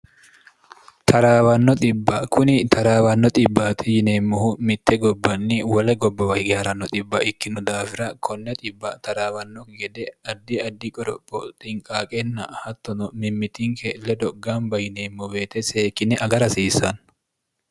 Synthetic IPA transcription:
t̪ʰɐɾaːwɐnːɔt̪ʼɪbːɐkʰʊnɪt̪ʰɐɾaːwɐnːɔt̪ʼɪbːat̪ʰɪjɪneːmːʊhʊmɪt̪ːɛɡɔbːɐnːiwɐlɛɡɔbːɐwɐjɡɛɐɾɐnːɔt̪ʼɪbːɐʔɪkːɪnʊd̪aːfɪɾɐkʰɔnːɛt̪ʼɪbːɐt̪ɐɾaːwɐnːɔɡɛd̪ɛɐd̪ːiɐd̪ːikʼɔɾɔpʼːɔt̪ʼɪŋkʼaːkʼɛnːɐhɐt̪ːɔnɔmɪmːɪt̪iːŋkʰelːɛd̪ɔɡːaːmbɐjɪneːmːʊbeːt̪ɛseːkːɪnɛʔɐɡɐɾɐsiːsɐn

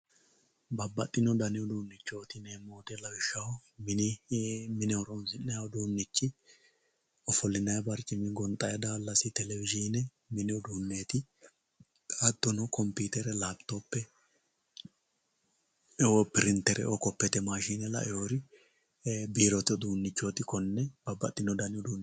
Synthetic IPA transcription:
bɐbːɐt̪ʼːɪnɔd̪ɐnɪɔd̪uːnːɪt͡ʃːot̪ɪneːmoːd̪ɛlɐbɪʃːɐwmɪnɪmɪnɪɔɾɔnsɪnːɛɔd̪uːnːɪt͡ʃːɪ | ɔfɔlːɪnɐjbɐɾt͡ʃʼɪmɪɡɔnt̪ʼɐjɐd̪aːlːɐsɪt̪ɛlɛvɪʒiːnɛ | mɪnɪɔd̪uːnːeːt̪ɪ | kʼad̪ːɔnɔkɔmpiːt̪ɛɾɛlaːbt̪ːoːpːɛ | ɛopɪɾɪnt̪ːɛɾɛ̰ɔkɔpːɛt̪ɛmaːʃiːnɛlɐ̰ʔɛhoɾɪ | biːɾɔt̪ɪɔd̪uːnːɪt͡ʃːoːt̪ɪkɔnːɛbɐbɐ̰t̪ːɪnɔd̪ɐnɪʊd̪uːnːɛ

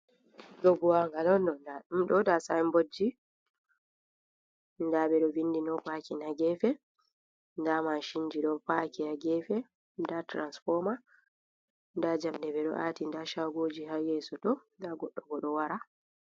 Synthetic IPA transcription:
ɗɔbuwaŋɡalɔndɔndaɗumɗɔdasajmbod͡ʒːi | ndaɓɛɗɔvindinɔpakinaɡɛfɛ | ndamanʃiɲd͡ʒiɗɔpakijaɡɛfɛ | datɾansfɔma | ndad͡ʒamɗɛɓɛɗɔ̰ʔatindaʃaɡoːd͡ʒihajɛsɔtɔ | daɡɔɗːɔɡɔɗɔwaɾa

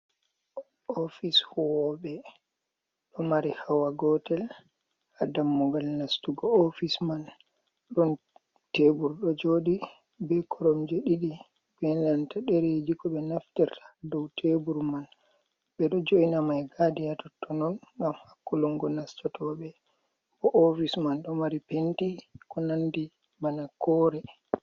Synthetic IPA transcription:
ɔfishɔɓɛ | ɗɔmaɾihawaɡɔtɛl | hadamːɔɡalnastuɡɔofisman | ɗɔn | tebuɾɗɔd͡ʒoɗi | bɛkʰɔɾɔmd͡ʒeɗiɗi | bɛlantaɗɛɾed͡ʒikɔɓɛnaftɛɾtʰḁdɔwtʰebuɾman | ɓɛɗɔd͡ʒoinamajɡadijatɔtːɔnɔnŋɡamhakːuluŋɡɔnastɔtʰɔɓɛ | bɔʔɔfismanɗɔmaɾipentikɔnandi | manakɔɾɛ

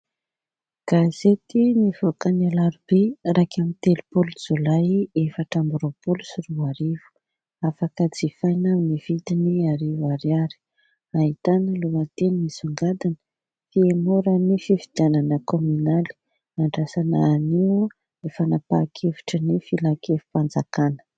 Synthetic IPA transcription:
ɡ̥azet̪inivokanalaɾubeɾakamint̪elupolzolajefaʈ͡ʂambɾopolusiruaɾivu̥ | afakəd͡zifajnawniv̥it̪iniaɾivaɾiaɾi̥ | aɦit̪anəluat̪enimisuŋɡad̪anə̥ | fiemoɾənifivid̪ananəkomynali̥ | aɳɖ͡ʐasanaːni | efanapakʰevi̥ʈ͡ʂənifilakʰefu̥pand͡zakanə̥

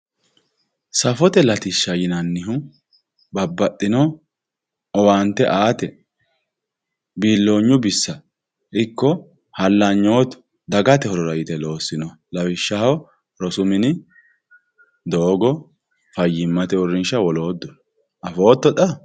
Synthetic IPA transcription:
sɐfɔt̪ɛlɐt̪ɪʃːɐjɪnɐnːɪɦʊ | bɐbːɐt̪ʼːɪnɔ | ʔɔwaːnt̪ːɛʔaːt̪ɛ | biːlːo̞ːɲːʊbɪsːɐ | ʔɪkːɔ | hɐlːɐɲːo̞ːt̪ʊ̥ | d̪ɐɡɐt̪ɛhɔɾɔɾɐjɪt̪ɛlo̞ːsːɪnɔ | lɐfɪʃːɐhɐ | ɾɔsʊmɪnɪ | d̪o̞ːɡɔ | fɐjːɪmːɐt̪ɛʊrɪnʃɐwɔlo̞ːd̪ːʊ | ʔɐfo̞ːt̪ːɔtɐ

